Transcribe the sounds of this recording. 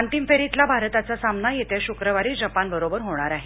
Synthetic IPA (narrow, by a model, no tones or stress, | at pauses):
ənt̪imfeɾit̪labʱaɾt̪at͡sasamnajet̪eɕukɾəʋaɾiːd͡zəpanbəɾobəɾɦoɽ̃aɾaɦe